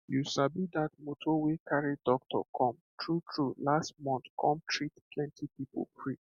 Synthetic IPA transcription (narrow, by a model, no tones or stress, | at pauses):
jusabid̪at̚motʰowekʰaɹidɔk̚tʰɔ̰kʰɔ̃m | tʰɹutʰɹulastmɔ̃nθkʰɔ̃mtʰɹittʰlɛ̃ntʰipipo̰pʰɹi